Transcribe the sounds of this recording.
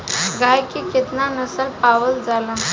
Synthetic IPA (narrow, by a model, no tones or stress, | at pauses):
ɡajkiket̪nanəsəlpaʋəld͡zala